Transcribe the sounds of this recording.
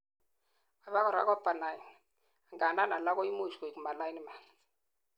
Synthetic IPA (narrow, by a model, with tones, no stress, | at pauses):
a˨βa˦kɔ˨ɾa̰˦kwa˦pa˨na˨ji˨n | a˨ŋɡa˨na˦na˨la˦kɔ˦i˦mo˦˨ʃko˨i˨ku˨ma˨la˦i˦ni˦ma˨n